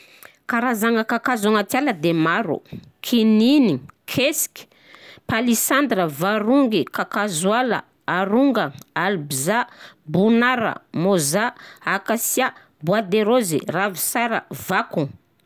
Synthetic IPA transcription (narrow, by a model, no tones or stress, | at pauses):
kaɾazaŋəkakazaŋat̪jaləd̪emaɾṵ | kʰininikʰeski̥ | palisand̪rəvaɾuŋɡikakazwalə̰ | aɾuŋɡəalbizabunaɾə̰mozaakasija | bwad̪eɾozḭravisaɾə̰vaku